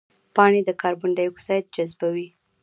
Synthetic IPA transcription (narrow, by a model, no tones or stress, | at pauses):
pɑɳed̪əkʰɑɾbʊɳɖajksɑjt̪̚d͡ʒazbawi